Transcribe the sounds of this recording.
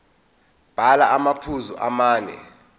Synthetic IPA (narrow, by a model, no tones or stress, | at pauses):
b̥ʱalaamapʰuzuʔamaːnɛ̰